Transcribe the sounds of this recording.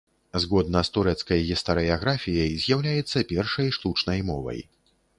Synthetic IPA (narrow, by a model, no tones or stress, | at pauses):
zɣɔd̪nɐst̪uɾɛt̪skɐjɣʲist̪ɐɾɨaɣɾafʲijɐjzʲjawlʲajɛt̪sːɐpʲɛrʂɐjʂt̪ut͡ʂnɐjmɔ̰vɐ̰j